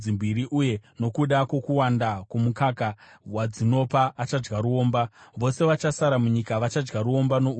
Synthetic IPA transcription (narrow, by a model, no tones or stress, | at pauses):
imbiɾiʔuje̞no̞kuɗakwo̞kuwandakumukakawad͡zino̞paːt͡ʃad͡ʒɡaɾuo̞ːmbaʋo̞se̞ʋat͡ʃasaɾamuɲikaʋat͡ʃad͡ʒɡaɾuo̞mbanou